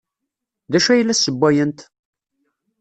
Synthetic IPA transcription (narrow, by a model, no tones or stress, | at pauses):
ðæʃæjlːæsːəbːæjənt̪